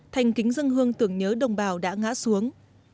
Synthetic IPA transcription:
t̪ʰa˨˩jŋ̟kï˨˦ŋ̟zə˧nɦɨ˧əŋt̪ɨ˧˩əŋɲəː˨˦ɗə˨˩wŋ͡mɓaː˨˩wɗa̰ː˧˥ŋa̰ː˧˥su˨˦əŋ

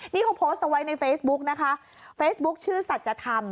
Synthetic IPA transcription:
niː˥˩kʰɔ˧˦pʰoː˦˥st̪ʔa˧wa˦jna˧jfeː˦˥sbu˦˥k̚na˦˥kʰa˦˥ʔfeː˦˥sbu˦˥k̚t͡ɕʰɯː˥˩sa˨˩t̪̚t͡ɕa˨˧˩t̪ʰa˧m

